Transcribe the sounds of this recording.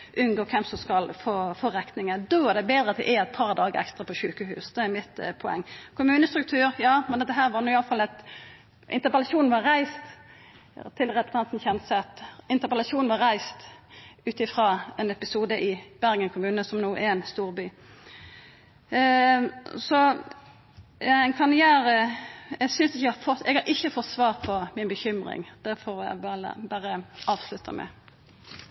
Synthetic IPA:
ʔʉnɡoːkʰɛmsɔmskɑlfoːfoːʁɛk̪nɪŋəd̪oːæʁd̪ɛbeːd̪ɾəɑt̪̚d̪ɛ̰ʔɛɾɛt̪̚pʰɑʁd̪ɑːɡə̰ɾɛ̰kst̪ʁɑpʰɔʃʉːkəɦʉːsd̪ɛæɾmɪt̪pʰɔɛ̰ŋːkʰʊmʉːnəst̪ɾʉk̚t̪ʰʉːʁjɑːmɛnd̪ɛt̪ːəɦæːɾʋɑɾnʊːɪɑlfɑlɛt̪ | ʔɪnt̪əɾpəlɑsuːnn̩ʋɑɾæɪst̪ | t̪ʰɪlʁɛpt̪ʰɑnt̪n̩çɛnsɛɑt̪ɪnt̪əʁpəlɑsuːnnʋɑɾæɪst̪ʉːt̪ɪfʁɑɛnɛpɪsuːd̪əʔɪb̥æʁɡənkʰʊmʉːnəsɔmnuːʔɛɛnst̪uːʁbyː | sɔ | æɪnkʰɑnɪjæːɾəɛɡsʏnsɪçəɡhɑfɔt̪ɛɡhɑɾʔɪçːəfɔt̪ːsʋɑːʁt̪pʰɔmɪnbəçʏmʁɪ̰ŋd̪̥æɾfɔɾʋɪljæ̰ɡbɑːʁə̰bæːɾəɑːʋslʉt̪ʰə̰mɛ̰

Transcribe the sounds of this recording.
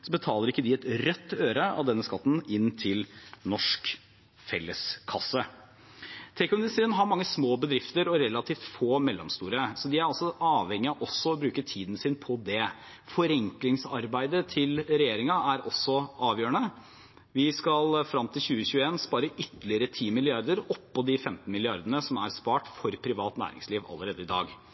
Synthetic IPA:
sɔbət̪ʰɑːləɾɪkːəd̪ɪɛt̪ɾœt̪ːøːɾəɑ̰ʋd̪ɛnːəskɑt̪ːn̩ɪnt̪ʰɪlnɔʂk | fɛlːəskʰɑsːə | t̪ʰɛkʊmʊnɪst̪əɾənɦɑɾmɑŋːəsmoːbəd̪ɾɪft̪əɾɔɾɛlːɑt̪ʰiːft̪foːmɛlːɔmst̪uːɾəsɔd̪ɪæɾɑlsɔɑːʋhɛŋːɪɑʔɔsːɔɔbɾʉːkət̪ʰiːd̪n̩sɪnpʰɔd̪ɛ | fɔɾɛŋklɪŋsɑ̰ɾbæɪd̪ət̪ʰɪlɾɛjeːɾɪŋɑæɾʔɔ̰sːɔʔɑːʋjøːəɳə | ʋɪskɑlfɾɑmt̪ʰɪlɕʉːəçʉːəeːnspɑːɾəʔʏt̪ːəlɪəɾət̪ʰiːmɪlɪɑɾd̪əɾɔpːɔd̪ɪfɛmt̪n̩mɪlɪɑ̰ɾd̪ənəsɔmæ̰ɾspɑːʈfɔɾpʰɾɪʋɑːt̪næ̰ːɾɪ̰ŋsliːʋɑ̰lːəɾeːd̪əɪd̪ɑ̰ːɡ

